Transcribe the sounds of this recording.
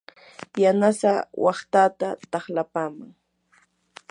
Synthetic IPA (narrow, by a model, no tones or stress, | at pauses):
janasawɑχt̪at̪at̪ɑχlapaːmaŋ